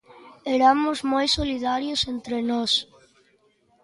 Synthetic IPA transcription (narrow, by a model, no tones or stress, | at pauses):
eɾamʊzmojsoliðaɾjosent̪ɾenɔs